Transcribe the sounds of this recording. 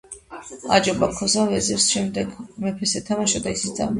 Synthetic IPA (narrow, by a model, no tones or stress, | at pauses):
ad͡ʒɔbakʰːɔsavɛzɛɾsʃɛmd̪ɛɡmɛpʰɛsɛt̪ʰamaʃɔd̪aisiza̰m